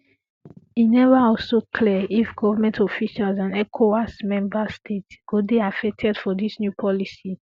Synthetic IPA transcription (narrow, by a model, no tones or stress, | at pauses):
inɛvəɔlsokʰlɛifɡɔvəmɛ̃ntɔfiʃalzãnɛkʰoasmɛ̃mbəstʰetɡ̥udiafɛk̚tʰɛdfɔdisnjupʰɔlisi